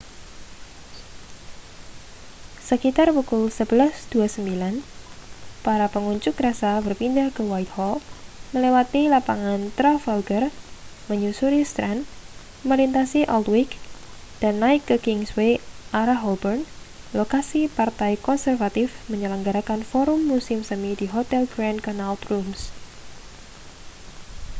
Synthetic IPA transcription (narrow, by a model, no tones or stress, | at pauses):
səkit̪arwukʊlsəbəlasd̪̥uasəmbilan | paɾapəŋuɲt͡ʃʊkɾasabərpindahkəwajt̪̚hɔməlewat̪ilapaŋant̪ɾafalɡər | məɲusuɾist̪ɾan | məlint̪asiʔɔlt̪wɪk | d̥anːaɪkːəkɪŋsweʔaɾaɦɔlbərn | lokasipart̪ajkɔnsɛrfat̪ɪfməɲələŋɡaɾakanfɔɾʊmːusɪmsəmidiɦot̪ɛlɡɾandkanalt̪ɾums